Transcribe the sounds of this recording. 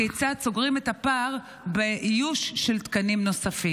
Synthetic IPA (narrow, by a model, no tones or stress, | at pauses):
et͡sat͡soɡʁimet̪hapaʁ | beʔijuʃːelt̪kanimno̞safi